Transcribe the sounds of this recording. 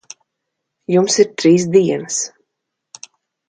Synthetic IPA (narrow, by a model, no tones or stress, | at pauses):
jumsiɾt̪ɾiːs̬d̪iɛnəs